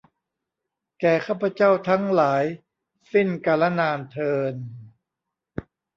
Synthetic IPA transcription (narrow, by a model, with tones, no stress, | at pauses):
kɛː˨˩kʰaː˥˩pʰa˧t͡ɕa˥˩wt̪ʰa˦˥ŋlaː˩˦j | si˥˩nkaː˧la˦˥naː˧nt̪ʰɤː˧n